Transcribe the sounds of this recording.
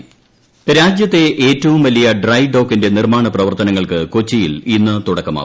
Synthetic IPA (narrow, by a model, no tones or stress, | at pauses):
ɾaːd͡ʑjɐt̪ːe̞ʔeːtːɐʋumʋɐlijɐɖrɐjɖo̞ːkːinde̞nirmaːɳɐprɐʋɐrt̪ɐnɐŋːɐɭkɨko̞t͡ɕːijilinːɨt̪uɽɐkːɐma̰